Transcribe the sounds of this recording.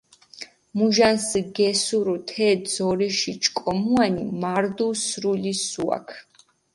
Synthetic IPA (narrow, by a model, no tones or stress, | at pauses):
muʒansɡɛsuɾut̪ʰɛd̪zɔɾiʃit͡ʃʰʼkʼɔmuanḭmaɾd̪usɾulisua̰kʰ